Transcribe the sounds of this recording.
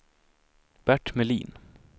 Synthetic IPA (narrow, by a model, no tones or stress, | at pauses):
b̥æʈmɛliːn